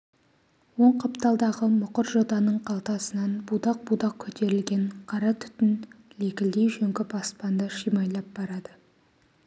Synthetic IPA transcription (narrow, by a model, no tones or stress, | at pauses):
wo̞ɴqʰɑpt̪ɑlˠd̪ɑʁəmʊqəɾʒo̞d̪ɑnəɴqʰɑlˠt̪ɑsənɑnbud̪ɑq̚bud̪ɑq̚kʲʰɵt̪ʰe̞ɾɪlɡʲe̞ɴqʰɑɾɑt̪ʰʏ̥t̪ɪnle̞kʲɪld̪ejʒɵŋkʲɪbɑspɑnd̪əʃijmɑjlˠɑp̚b̥ɑɾɑd̪̥ə